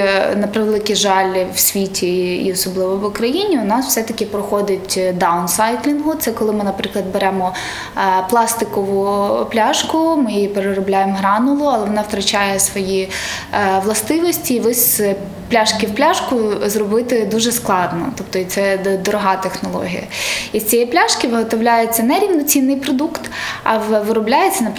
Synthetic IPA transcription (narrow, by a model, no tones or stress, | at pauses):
nɐpɾɪʋelˠɪkʲiʒɑlʲwsʲʋʲitʲiḭɔsɔblˠɪʋɔʋʊkɾɐjinʲiʊnɑsw̥sɛt̪ɐkʲɪpɾɔxɔd̪ɪtʲd̪ɑwnsɑjt̪ʲlʲinɦʊt̪sɛkɔlˠɪmɪnɐpɾɪklˠɐd̪̚beɾɛmɔ | plˠɑst̪ɪkɔʋʊplʲaʃkʊmɪjjipeɾeɾɔblʲajemɦɾɑnʊlˠʊɐlˠɛʋɔnɑwt̪ɾɐt͡ʃɑjɛsʋɔji | ʋlˠɐst̪ɪʋɔsʲtʲiːʋɪsʲ | plʲaʃkʲɪwplʲaʃkʊzrɔbɪt̪ɪd̪uʒɛsklˠɑd̪nɔ̰t̪ɔpt̪ɔit̪sɛd̪ɔɾɔɦɑt̪exnɔlˠɔ̰ɦʲḭjɐ̰isʲt͡sʲijɛplʲaʃkɪʋɪɦɔt̪ɔʋlʲajet͡sʲːɐnɛɾʲiʋnɔt͡sʲinːɪjpɾɔd̪ukt̪ɐʋɪɾʊblʲajet͡sʲːɐnɐp